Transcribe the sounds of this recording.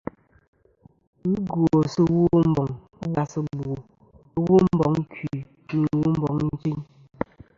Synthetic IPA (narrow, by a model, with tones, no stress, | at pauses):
ɡo˨sɨ˦wu˦m̩˦bɔ˨ŋ˦ | ba˨sɨ˦ɡ͡bo˨˦ | wu˦m̩˦bɔ˨ŋ˦kwi˨ | i˨n˨wu˦m̩˦bɔ̰˨˦ŋn̩˦t͡ʃi˦ɲ